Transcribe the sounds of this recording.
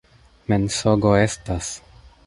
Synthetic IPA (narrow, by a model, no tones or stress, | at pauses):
mensoɡo̞e̞stas